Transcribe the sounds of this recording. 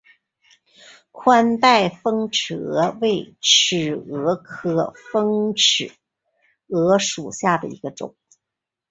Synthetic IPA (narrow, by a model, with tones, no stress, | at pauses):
kʰwa˥nt̪a˥˩ɪfɤ˥ŋʈ͡ʂʰɻ̩˨˩ɤ˧˥we˥˩ɪʈ͡ʂ̩ʰ˨˩ɤ˧˥kʰɤ˥fɤ˥ŋʈ͡ʂʰɻ̩˨˩˦ | ɤ˧˥ʂu˨˩ɕja˥˩d̪ə̰˩ḭ˧˥ɡ̥ə˧ʈ͡ʂʊ̰˨˩˦